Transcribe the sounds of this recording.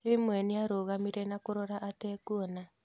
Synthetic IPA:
ɾemwɛniaɾoɣamiɾɛnakoɾɔɾaʔatɛkuɔna

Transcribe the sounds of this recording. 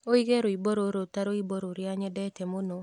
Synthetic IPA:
oiɣeɾoiboɾoɾotaɾoiboɾoɾjaɲɛdɛtɛmono

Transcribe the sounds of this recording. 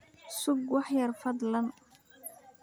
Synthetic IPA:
sʊɡwɑħjɐrfɐd̪lɐn

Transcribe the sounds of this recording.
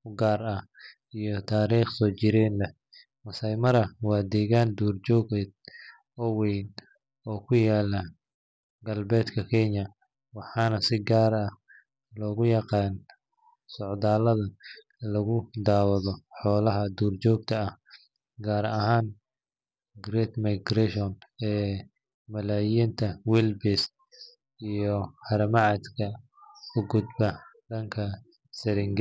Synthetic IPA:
ʊɡaːrɐ | ijɞt̪ʰaːɾiːχsɔːt͡ʃɪɾɛːnlɐ | wɐsɐjmɐɾɐwɑːd̪ɛːɣaːnd̪uːrt͡ʃɔːɡɛd̪̚ | ɔːwɛjn | ɔːkʰʊjaːlɐ | ɡɐlbɛːd̪kʰɐkʰɛɲɐ | wɑħɑːnɐsɪɡaːɾɐh | lɔːɣʊjɑqɑːn | sɔʕd̪aːlɐðɐ | lɐɣʊd̪aːwɐðɔħɔːlɐɦɐd̪uːrt͡ʃɔːɡ̚t̪ʰɐɐh | ɡaːɾɐhaːn | ɡɾɛːt̪mɐjɡɾɛʃɔnɛː | mɐlaːjint̪ʰɐwɛlbɛs | ijɔhɐɾɐmɑʕɑd̪kʰɐ | ʊɡʊd̪bɐdɐŋkʰɐ | sɪɾɪŋɡ

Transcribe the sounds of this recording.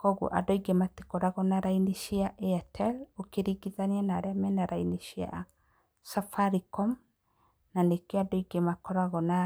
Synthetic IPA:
kɔɣṵʔa̰dɔiɡemate̥kɔɾaɣɔnaɾainiʃiaʔeatʰɛlokeɾiɡiðanianaɾeamɛnaɾainiʃia̰ | safaɾikɔm | nanekeadɔiɡemakɔɾaɣɔna

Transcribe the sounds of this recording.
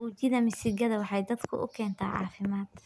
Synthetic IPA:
uːt͡ʃɪðɐmɪsɪɡɐðɐwɑħɑjd̪ɐd̪kʰʊ̰ʔʊ̰kʰɛːnt̪ʰa̰ːʕɑ̰ːfɪmaːd̪

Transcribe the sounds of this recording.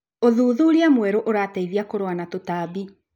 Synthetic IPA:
oðuːðuɾiamwɛɾoʔoɾataiðiakoɾowanatotabi

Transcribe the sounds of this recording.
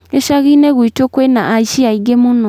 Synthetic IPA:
eʃaɣineɣwitokwenaʔaiʃiaiɡemonɔ

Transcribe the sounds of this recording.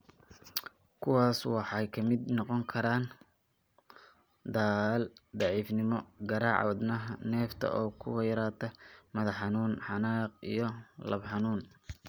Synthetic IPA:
kʰʊwɑːswɑħɑjkʰɐmɪd̪nɔqɔŋkʰɐɾaːn | d̪aːld̪ɑʕiːfnɪmɔɡɐɾaːʕɑ̰ːd̪nɐnɛːft̪ʰɐ̰ʔɔːkʰʊ̰wɑjɾaːt̪ʰɐmɐðɑħɑnuːnħɑnaːq̚ḭjɞlɐbħɑnuːn

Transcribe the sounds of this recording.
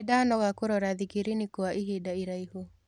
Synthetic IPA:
danɔɣakoɾɔɾaðikiɾinikoaʔiɦedaiɾaiɦo

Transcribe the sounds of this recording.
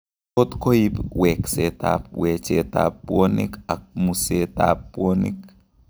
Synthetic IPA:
otkoipwɛkseta̰p̚wɛt͡ʃeta̰pːwonḭkak̚museta̰ppwonḭk̚

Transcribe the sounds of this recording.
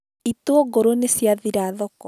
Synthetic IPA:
itoɔɡoɾonesjaðiɾaðɔkɔ

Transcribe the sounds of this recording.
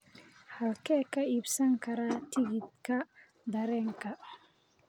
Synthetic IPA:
hɐlkʰɛːkʰɐiːbsɐŋkʰɐɾaːt̪ʰɪɣɪd̪kʰɐ | d̪ɐɾɛːŋkʰɐ

